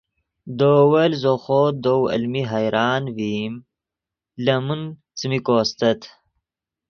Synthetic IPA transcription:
d̪oːwɐlzoxod̪owɐ̰lmiɦajɾʔɑːnviːm | lɐmun | t͡sɨmikoːst̪ɐt̪

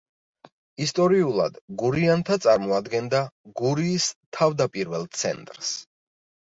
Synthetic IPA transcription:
ist̪ʼɔɾiulˠa̰d̪̥ɡuɾiant̪ʰat̪sʼaɾmɔad̪ɡɛnd̪aɡuɾiːst̪ʰavd̪apʼiɾvɛlˠt̪sʰɛ̰nt̪ʼɾs

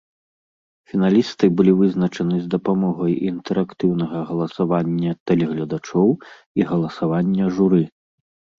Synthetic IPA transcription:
fʲinalʲist̪ɨbɨlʲivɨznɐt͡ʂɐnɨzd̪ɐpamɔɣɐjint̪ɛɾakt̪ɨwnɐɣɐɣɐlˠɐsavanʲːɐt̪ɛlʲɛɣlʲɐd̪at͡ʂɔw | iɣɐlˠɐsavanʲːɐʐuɾɨ

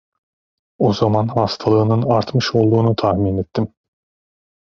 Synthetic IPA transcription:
o̞zamanhast̪ʰalˠɯːnɯnaɾt̪mɯʃo̞lˠd̪uːnut̪ʰahmiːnet̪ʰːim

